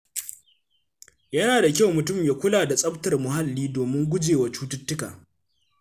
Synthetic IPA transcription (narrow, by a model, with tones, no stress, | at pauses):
jɐ˦naː˨da˨kʲa˦˨wmʊ˨tʊ˦˨mjaː˨kʷʊ˦laː˨da˨sʼɐ˦btɐ˨rmʊ˨ha˦lːiː˦doː˨mɪ˦ŋɡʷʊ˦d͡ʒeː˨wa˨t͡ʃuː˦tʊ˦tːʊ˦ka̰ː˨